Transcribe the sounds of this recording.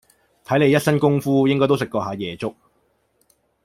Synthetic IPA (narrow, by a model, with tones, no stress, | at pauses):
t̪ʰɐ˨˥jle˨˧jɐ˥t̚sɐ˥nkʊ˥ŋfuː˥jɪ˥ŋkɔː˥jt̪o˥wsɪ˨kːɔː˧ɦaː˨˧jɛː˨˩t͡sʊ˥k̚